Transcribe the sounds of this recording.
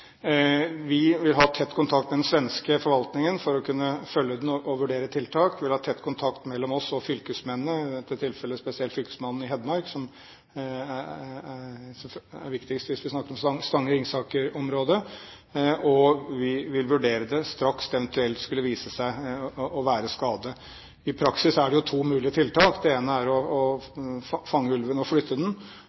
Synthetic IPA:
ʋɪʋɪlɦɑːt̪ʰɛt̪ːkʰʊnt̪ʰɑkt̪mɛd̪ɛnsʋɛnskəfɔɾʋɑlt̪nɪŋənfɔɾɔkʰʉnːəfœljəd̪nɔʔɔʋʉɖeːɾət̪ʰɪlt̪ʰɑːkʋʋɪlhɑːt̪ʰɛt̪ːkʰʊnt̪ʰɑkt̪mɛlːɔmɔsɔfʏlkəsmɛnːəɛt̪ɛt̪ʰɪlfɛlːəspɛsɪɛlfʏlkə̥smɑnːn̩ɪɦɛd̪mɑɾksɔm | æ | sæ̰ɾʋɪkt̪ɪkst̪ʋɪsʋɪsnɑkːəɾɔmsŋst̪ɑŋːəɾɪŋsɑːkəɾɔmɾoːd̪ə | ɔʋɪʋɪlʋʉɖeːɾəd̪ɛst̪ɾɑksɛʋənt̪ʉɛlt̪skʉlːəʋiːsəsæɪɔʋæːɾəskɑːd̪ə | ɪpʰɾɑksɪsæɖɛjʊt̪ʰuːmʉːlɪət̪ʰɪlt̪ʰɑːkd̪ɛeːnəæɾɔɔ | fɑŋːəʉlʋənɔflʏt̪ʰːəd̪ɛn

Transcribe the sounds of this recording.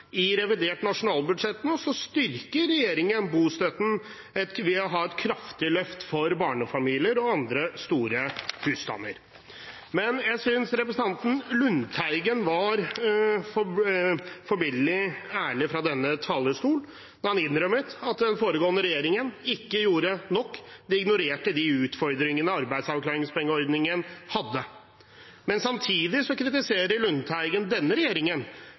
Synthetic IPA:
ɪɾɛʋɪd̪eːʈnɑʂʊnɑːlbʉd̪ʂɛt̪ːnɔsɔst̪ʏɾkəɾɛjeːɾɪŋənbuːst̪œt̪n̩ | ɛt̪ʋɪɔɦɑɛt̪kʰɾɑft̪ɪlœft̪fɔɾbɑːɳəfɑmiːlɪəɾɔɑnd̪ɾəst̪uːɾəhʉːst̪ɑ̰nːə̰ɾ | mɛnjæɪsʏnsɾɛpɾəsn̩ɑnt̪n̩lʉnt̪ʰæɪɡənʋɑɾfɔ | fɔɾbɪllɪæːɭɪfɾɑd̪ɛnːət̪ʰɑːləskuːl | nɔɾhɑnɪnːɾœmət̪ɑt̪d̪ɛnfoːɾəɡoːənəɾɛjeːɾɪŋənɪkːəjuːɾənɔkːd̪ɛɪɡnʊɾeːʈəd̪ɪʉːt̪fɔɾd̪ɾɪŋənəɑɾbæɪd̪sɑʋklɑːɾɪŋspʰɔɛŋːəɔɾd̪nɪŋənhɑd̪ːə | mɛnsɑmt̪ʰiːd̪ɪsɔkʰɾɪt̪ɪseːɾəɾɭʉnt̪ʰæɪɡənd̪ɛnːəɾɛjeːɾɪŋən

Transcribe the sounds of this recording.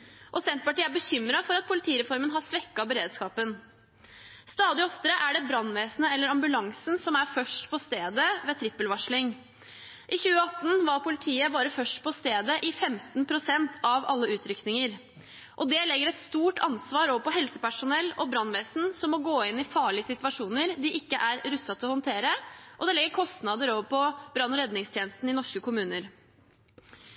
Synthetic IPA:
ʔɔsɛnt̪̚pɑʈiːəæɾbəçʏmːɾɑfɔɾɑt̪̚pʰʊlɪt̪ʰiːɾɛfɔɾmənɦɑsʋɛkːɑbəɾeːd̪skɑːpən | st̪ɑːd̪ɪɔft̪əɾəʔæɖɛbɾɑnːʋeːsnəɛlːəɾɑmbʉlɑŋsnsɔmæfœʂʈpʰɔst̪eːd̪əʋeːt̪ʰɾɪpːəlʋɑʂɭɪŋ | ʔɪçʉːəɑt̪ːn̩ʋɑɾpʰʊlɪt̪ʰiːəbɑːɾəfœʂʈpʰɔst̪eːd̪əʔɪfɛmt̪npʰɾʊsɛnt̪ʰɑʋɑ̰lːəʉːt̪ʰɾʏknɪŋəɾ | ʔɔd̪ɛlɛɡːəɾɛt̪st̪uːʈʰɑnsʋɑːɾoːʋəɾpɔɦɛlsəpæʂʊnɛlːɔbɾɑnʋɛːsn̩sɔmːɔɡoːɪnːɪfɑːɭɪəsɪt̪ʋɑʂuːnəɾd̪ɪʔɪkːəʔæɾɾʉsɑt̪ʰɪlɔhɔnt̪ʰeːɾəʔɔd̪ɛlɛɡːəɾkʰɔst̪nɑd̪əɾoːʋəpɔbɾɑnːɔɾɛd̪nɪŋst̪ʰjɛːnəst̪n̩ɪnɔʂkəkʰʊmʉːnəɾ

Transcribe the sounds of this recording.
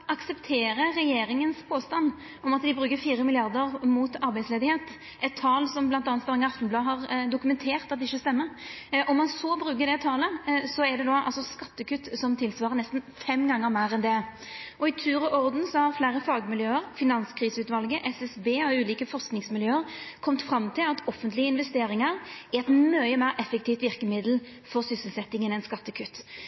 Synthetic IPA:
ɑksɛpt̪ʰeːɾəɾɛjeːɾɪŋənspʰoːst̪ɑnː | ʔɔmɑt̪d̪ɪbɾʉːkəfiːɾəmɪlɪɑʁd̪əʁmuːt̪ɑɾbæɪsleːd̪ɪheːt̪ | ʔɛt̪ʰːɑːlsɔmblɑnt̪ɑːnt̪ɑʁɪŋɑft̪ən̩blɑːɦɑʁd̪ʊkʉmɛnt̪ʰeːʁt̪ɑt̪̚d̪ɛɪçːəst̪ɛmːəʔɔmːɑnsɔbɾʉːk̬əd̪ɛt̪ʰɑːləsɔɛd̪ɛd̪ɔɑ̰lsɔskɑt̪ːəkʉt̪ːsɔmt̪ʰɪlsʋɑːʁənɛst̪n̩fɛmɡɑŋːəɾmæɪɾɛnd̪ɛ | ʔɔɪt̪ʰʉːɾəʔɔʁd̪n̩sɔhɑʁflæːɾəfɑːɡmɪljøːəɾfɪnɑnskʰʁiːsəʉːt̪ʋɑlɡəʔɛsɛsbeːɔʉːliːkəfɔʁsknɪŋsmɪljøːəʁkʰɔmt̪fɾɑmt̪ʰɪlɑt̪ʰɔfːənt̪lɪəɪnʋɛst̪eːɾɪŋɑɾɛɾɛt̪mœɪəmæɪɾɛfːɛk̚t̪ʰiːft̪ʋɪʁkəmɪd̪l̩ | fɔʁsʏsəlsɛt̪ːɪŋənɛnskɑt̪ːəkʰʉt̪ː

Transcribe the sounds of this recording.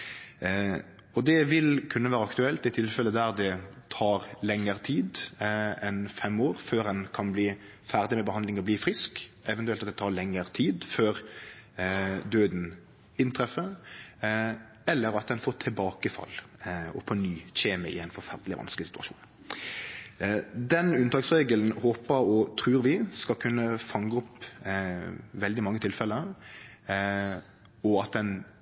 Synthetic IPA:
ɔd̪ɛʋɪlkʰʉnːəʋæːɾəɑkt̪ʉɛlt̪ɪt̪ʰɪlfɛlːəd̪æɾd̪ɛt̪ʰɑːɾlɛŋːəɾt̪ʰiːd̪ | ɛnfɛmːoːɾføːɾɛnkʰɑnbliː | fæʁd̪ɪmɛbəhɑnd̪ɪŋɔbliːfɾɪskɛʋɛnʉɛlt̪ɑt̪d̪ɛt̪ʰɑːʁlɛŋːəɾt̪ʰiːd̪føːɾ | d̪øːd̪n | ɪnt̪ʰɾɛfːə | ɛlːəɾɑt̪̚d̪ɛnfoːt̪ʰɪlbɑːkəfɑ̰lɔ̰pʰɔnyːɕeːməɪ̰ɛɪnfɔɾfæʁd̪lɪʋɑ̰nskəlɪsɪ̥t̪ʉɑ̰ʃṵːn | d̪ɛnʉnt̪ʰɑːksʁeːɡəln̩hoːpəɾɔt̪ʰʁʉːɾʋɪskɑlkʰʉnːəfɑŋːəɔp | ʋɛld̪ɪmɑŋːət̪ʰɪlfɛlə | ɔɑt̪̚d̪ɛn

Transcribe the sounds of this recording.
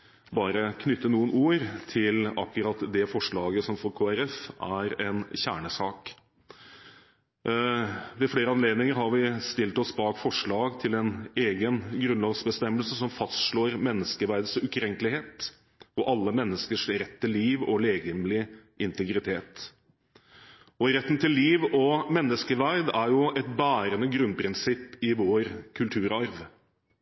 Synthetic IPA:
bɑːɾəkʰnʏt̪ːənuːənuːɾt̪ʰɪlɑ̰kːʉɾɑt̪d̪ɛfɔʂɭɑːɡəsɔmfɔɾkʰoːæɾɛfæɾɛnɕæ̰ːɳəsɑːk | ʋɛfleːɾəɑnleːd̪nɪŋəɾɦɑɾʋɪst̪ɪlt̪ɔsbɑːɡfɔʂɭɑːɡt̪ʰɪlɛneːɡənɡɾʉnlɑːɡsbəst̪ɛmːəlsəsɔmfɑst̪ʂɭoːɾmɛnːəskəʋæɾd̪sʉkʰɾɛŋklɪheːt̪ | ɔʔɑlːəmɛnːəskəʂɾɛt̪ʰːɪlːiːʋɔleːɡəmlɪʔɪnt̪ɛɡɾɪt̪ʰeːt̪ | ɔɪɾɛt̪ːnt̪ʰɪlːiːʋɔmɛnːəskəʋæɾd̪æɾjʊɛt̪̚bæːɾənəɡɾʉnpʰɾɪnsɪpːɪʋoːɾkʰʉlt̪ʰʉːɾɑɾʋ

